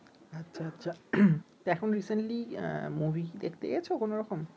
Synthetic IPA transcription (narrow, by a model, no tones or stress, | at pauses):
atːɕʰʃʰaatːɕʰat̪ɛkʰonɾisenʈlḭmubʱid̪ḛkʰt̪eḛet͡ɕʰokonoɾɔkom